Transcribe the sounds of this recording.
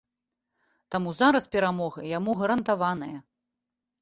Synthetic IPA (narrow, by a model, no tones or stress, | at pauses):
t̪amuzaɾɐspʲɛɾamɔɣɐjamuɣɐɾɐnt̪avanɨjɐ